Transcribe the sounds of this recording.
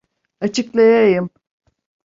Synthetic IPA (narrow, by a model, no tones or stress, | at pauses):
at͡ʃʰɯklˠajajɯm